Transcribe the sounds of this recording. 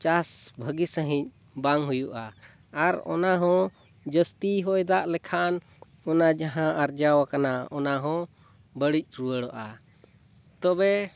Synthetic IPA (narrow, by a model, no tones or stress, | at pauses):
t͡ʃasbʱəɡisəɦĩc̚ˀ | baŋɦujuʔaː | ɾɔ̰naɦɔ̃ | d͡ʒəst̪iɦɔjd̪aʔlɛkʰan | ɔnad͡ʒaɦãʔaɾd͡ʒawakanaɔnaɦɔ̃ | bəɽic̚ˀt͡ʃɾuəɽɔʔa | t̪ɔbɛ